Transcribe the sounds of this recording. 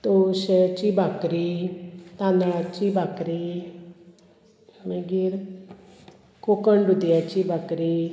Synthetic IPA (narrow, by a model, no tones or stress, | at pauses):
t̪oʃɛt͡ʃiːbakɾit̪aːnat͡ʃibakɾi | mẽɡiɾ | kokəɳɖut̪iat͡ʃibakɾiː